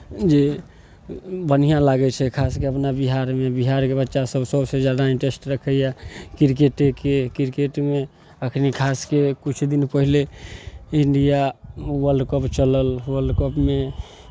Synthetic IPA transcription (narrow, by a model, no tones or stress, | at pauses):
d͡ʒe | bənijãlaɡɛt͡ʃʰɛkʰaskeəpnabiɦaɾmebiɦaɾkebətːʃasəbsəbsed͡ʒjad̪aĩɳʈesʈɾəkʰəjakiɾkeʈekekiɾkeʈme | əkʰnikʰaskekut͡ʃʰd̪inpəɦile | iɳɖijawəlɖkəpt͡ʃələlwəlɖkəpme